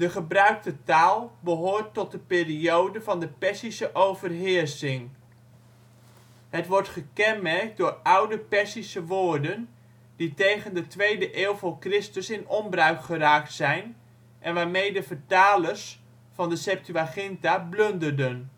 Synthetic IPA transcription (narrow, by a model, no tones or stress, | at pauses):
d̥əχəbrœɥk̚tətaːlˠbəɦoːɹtːɔt̚dəpɪːriowdəvɑndəpɛsisəʔowvərɦɪːrsɪŋ | ɦətʋɔɹtχəkɛnmɛrk̚dʊːrʌwdəpɛsisəʋoːɹdən | ditejχəndətʋejdəʔɪːlˠvʊːɹkrɪstəsɪnɔmbrœɥkχəraːk̚tsɛjn | ʔɛnʋaːɹmejdəvəɹtaːləs | fɑndəsɛp̚tyaχɪntabløndərdən